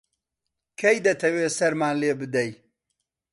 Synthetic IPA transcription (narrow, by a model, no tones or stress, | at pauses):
kʰɐjd̪ɐt̪ʰɐweːsɐɾmaːnleːbɨd̪ɐj